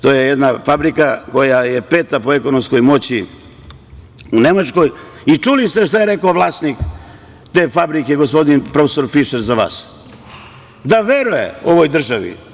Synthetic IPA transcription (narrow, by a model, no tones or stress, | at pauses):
t̪o̞ːjejed̪nafabɾikako̞jajepe̞ːt̪apo̞eko̞nomsko̞jmo̞t͡ɕi | une̞mat͡ʃko̞j | it͡ʃulist̪eʃt̪ajeɾe̞kooʋlˠaːsnik | t̪e̞ːfabɾike̞ɡospo̞d̪inpɾo̞feso̞ɾfiʃeɾzaʋa̰ːs | d̪aʋeɾujḛo̞ʋo̞jd̪r̩ʒaʋḭ